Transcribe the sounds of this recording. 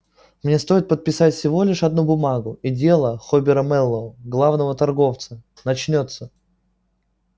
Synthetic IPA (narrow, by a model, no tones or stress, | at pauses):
mnʲe̞st̪o̞jɪt̪̚pət̪̚pʲɪsatʲfsʲɪvo̞lʲɪʂɐd̪̚nubʊmaɡʊidʲe̞lˠəxobʲɪɾəmɛlˠːəɡlˠavnəvət̪ɐrɡo̞ft̪sə | nɐt͡ɕnʲo̞t̪sə